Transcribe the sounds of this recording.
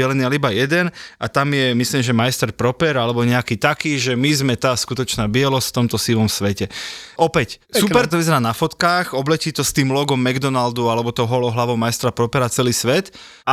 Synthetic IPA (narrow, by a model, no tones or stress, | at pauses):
ɛlɛniːalibajɛd̪ɛnʔat̪amjɛmisliːmʒɛmajst̪ɛɾpɾɔpɛɾalɛbɔɲɛakiːt̪akiːʒɛmizmɛt̪aːskut̪ɔt͡ʃnaːbɪɛlɔsft̪ɔmt̪ɔsiʋɔmsʋɛcɛʔɔpɛcsupɛɾt̪ɔʋizɛɾaːnafɔt̪kaːxɔblɛciːt̪ɔst̪iːmlɔɡɔmːɛɡd̪ɔnald̪ualɛbɔt̪ɔʊɦɔlɔɦlaʋɔʊmajst̪ɾapɾɔpɛɾat͡sɛliːsʋɛt̪ | a